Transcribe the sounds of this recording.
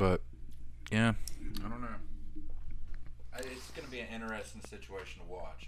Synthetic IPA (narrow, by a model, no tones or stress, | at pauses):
b̥ʌt̚jæaɪɾõʊ̃nːoʊ | aɪtsɡ̥ʌnɨbiɨ̃nɪ̃ɾ̃ə˞ɛstɪ̃ŋsɪt͡ʃueɪʃn̩tʰəwɑt͡ʃ